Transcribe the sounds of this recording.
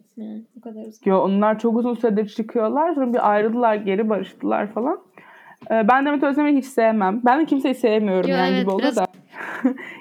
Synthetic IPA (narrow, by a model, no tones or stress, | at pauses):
joonlˠaɾt͡ʃʰo̞kuzunsyed̪ɛɾt͡ʃʰɯkʰɯjo̞lˠaɾsoɾbiʔajɾɯld̪ɯlˠaɾɟe̞ɾibaɾɯʃt̪ʰɯlˠa̰ɾfalˠanː | bænd̪emet̪ʰøzʲemeiɦit͡ʃsejemæmbænd̪ɛcʰimsejisejemijo̞ɾumand͡ʒibio̞lˠaɾd̪a